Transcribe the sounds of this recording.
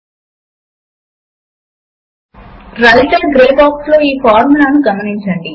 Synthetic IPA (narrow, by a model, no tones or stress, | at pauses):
ɾɐliʈɐɡɾeːbaːkslo̞ːiːpaːɾmulaːnuɡɐmɐniɲt͡ʃɐɳɖi